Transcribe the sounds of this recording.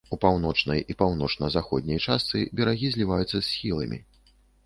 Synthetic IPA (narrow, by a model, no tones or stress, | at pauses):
upawnɔt͡ʂnɐjipawnɔt͡ʂnɐzaxɔd̪ʲnʲɐjt͡ʂast̪sɨbʲɛɾaɣʲizʲlʲivajut̪sːɐsʲxʲilˠɐ̰mʲḭ